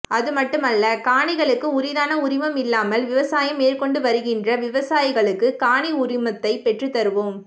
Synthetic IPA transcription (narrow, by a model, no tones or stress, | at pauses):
ʔɐðɯmɐʈːɯmɐlːɐkaːɳɪɣɐɭɯkːɯʊɾɪðaːnɐʊɾɪmɐmɪlːaːmɐlʋɪʋɐsaːjɐmeːrkɔɳɖɯʋɐɾɯɣɪndrɐʋɪʋɐsaːjɪɣɐɭɯkːɯkaːɳiʊɾɪmɐt̪ːɐɪpɛʈrɯt̪ːɐɾɯʋom